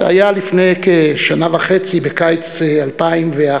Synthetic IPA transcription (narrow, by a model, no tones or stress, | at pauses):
a̰jalifnejkeʃanavaχet͡sibekajt͡sealpaimvea